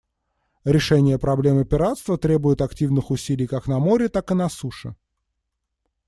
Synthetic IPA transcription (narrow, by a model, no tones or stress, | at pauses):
ɾʲɪʂɛnʲɪjəpɾɐblʲemɨpʲɪɾat̪st̪vət̪ɾʲe̞bʊjʊt̪ɐktʲivnɨxʊsʲilʲɪjkaknɐmo̞ɾʲɪt̪akɨnɐsuʂɨ̰